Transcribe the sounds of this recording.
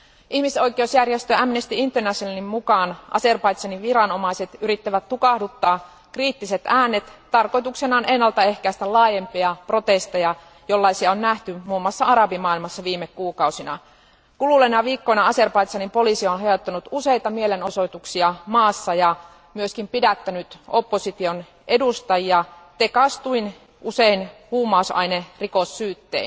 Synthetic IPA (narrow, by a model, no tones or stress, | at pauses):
ʔihmiso̞jk̟ˑe̞usjærjest̪øæmnest̪iint̪ːønæsenimmukɑːnʔɑ̰se̞rpɑjt̪sɑniʋʋiɾɑno̞mɑise̞t̪yɾit̪ːæʋæt̪ːukɑhdut̪ːɑː | kriːt̪ːiset̪æːnːet̪ːɑrko̞jt̪uksenɑːnenːɑlt̪ɑe̞hkæist̪ælɑːjempiɑpro̞t̪e̞st̪ejɑ | jo̞lːɑisiɑonnæht̪ymuːmːɑsːɑɑɾɑbimɑːilmɑsːɑʋiːmːekːuːkɑusinɑ̰ | kululenɑʋiːkːonɑɑserpɑit̪sɑnimpo̞lisionhejot̪ːɑnut̪usejt̪ɑmieleno̞so̞it̪uksiɑmɑːsːɑjɑ | myøskimpidæt̪ːænyt̪opːosit̪ion | ʔedust̪ɑjiɑt̪ekɑst̪uin | ʔuseinhuːmːˑɑusɑ̰inerikosːyːt̪ːḛin